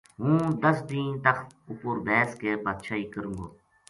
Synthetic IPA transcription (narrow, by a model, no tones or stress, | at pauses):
ɦũːd̪əsd̪ĩːnt̪əkʰʊpʊɾbɛːskepət̪ʃʰaːiːkəɾũːŋɡo̰ː